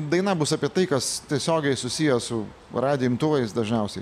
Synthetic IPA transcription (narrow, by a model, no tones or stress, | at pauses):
d̪ɐɪnɐbʊsɑpʲiɛt̪ɐɪkɐst̪ʲiɛsʲoːɡʲɛɪsʊsʲijɛsʊ | rɑːd̪ʲɪɪmt̪ʊʋɐɪsd̪ɐʒʲnʲɛʊsʲɛɪ